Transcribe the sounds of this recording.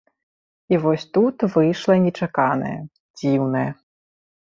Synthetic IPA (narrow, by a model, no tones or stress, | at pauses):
ivɔsʲt̪ut̪vɨjʂlˠɐnʲɛt͡ʂakanɐ̰jɐ̰ | d͡zʲiwnɐjɛ